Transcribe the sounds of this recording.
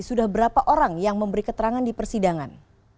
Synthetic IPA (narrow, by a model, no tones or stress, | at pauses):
sudahbəɾapaʔoɾaŋjaŋməmbəɾikət̪əɾaŋandipərsidaŋan